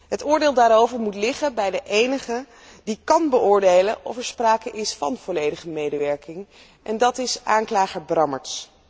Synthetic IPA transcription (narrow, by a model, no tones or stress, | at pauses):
ɦətʊːɹdeːlˠdaːɾowvəɹmutlɪχəbɛjdəʔejnəχə | dikɑnbəʔʊːɹdejləʔɔ̰fɛɹspraːkəʔɪsfɑ̰nv̥ɔlejdəχəmejdəʋɛɹkɪŋ | ʔɛndɑtɪsʔa̰ːŋklaːχəɹbrɑmə̰ɹts